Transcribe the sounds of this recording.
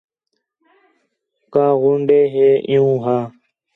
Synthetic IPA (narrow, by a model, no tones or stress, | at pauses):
kaːɣʊɳɖeːɦeːʔɪ̰jũːɦaː